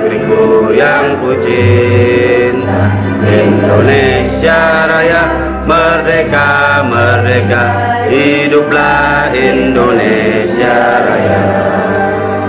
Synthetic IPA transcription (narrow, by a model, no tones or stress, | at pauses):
ɾibujaŋkut͡ʃi | n | a | indone | siaɾaja | mərdeka | məreka | ɦi | dup̚la | indone | siaɾaja